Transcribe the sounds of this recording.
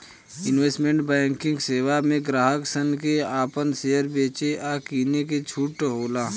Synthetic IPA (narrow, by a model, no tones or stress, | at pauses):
ɪnʋeːsʈmẽɳʈbɛ̃ːŋkɪ̃ŋɡseːwamẽɡɾaːɦəksənkeaːpənseːjəɾbeːt͡ʃeʔaːkiːnek̬et͡ʃʰuːʈɦoːlaː